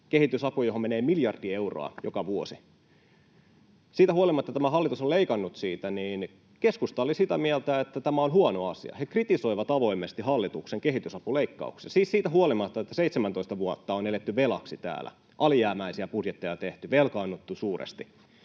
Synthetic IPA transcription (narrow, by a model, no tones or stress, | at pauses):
kehit̪ysɑpujoɦomeneːmiljɑrd̥ie̞uro̰ɑ̰jokɑʋuosi | siːt̪æuolimɑt̪ːɑt̪æmæɦɑlːˑit̪usolleikɑnːut̪siːt̪æniːn | keskust̪ɑolisit̪æmiælt̪æet̪ːæt̪æmæonhuonoɑsḭɑ̰hekrit̪iso̞iʋɑt̪ɑʋo̞imːest̪ihɑlːit̪ukseŋkeɦit̪ysɑpuleikːɑ̰uksssiːssiːt̪æɦuolimɑt̪ːɑet̪ːæseit̪semænt̪oist̪ɑʋuot̪ːɑonelet̪ːyʋelɑ̰ksit̪æ̰ːlæ̰ | ʔɑlijæːmæisiæpudjet̪ːejɑt̪eht̪yʋelkɑːnːut̪ːusuːrḛst̪i